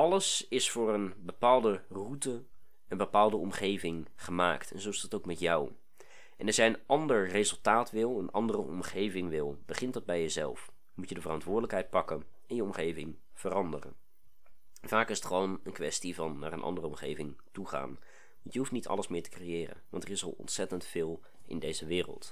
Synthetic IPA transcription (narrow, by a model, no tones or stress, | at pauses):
ɑləsɪsfʊːrənbəpaːlˠdərutə | ənbəpaːlˠdəɔmχejvɪŋχəma̰ːktɛnzowɪsdɑtowkmɛtjɑw | ʔɛnɛɹzɛjənʔɑndəɹrezɵlˠtaːtʋɪlˠənʔɑ̰ndərəɔ̰mχejvɪŋʋɪlˠb̥əχɪntdɑd̚bɛjəzɛ̰lˠf | mutjədəvərɑntʋʊːɹdələkɦɛjt̚pɑkən | ɛnjəɔmχejvɪŋ | v̥ərɑndərə̰n | vaːkɪsətχəʋownənkʋɛstivɑnːa̰ːɹənʔɑ̰ndərəɔmχejvɪŋtuχa̰ːn | ʋɑntjəɦuftnitʰɑ̰ləsmɪːɹtə̥krejɪːrə̰nʋɑ̰ntərɪsɑ̰lˠɔ̰ntsɛtəntfɪːlˠ | ʔɪ̰ndejzəʋɪːrə̰lˠt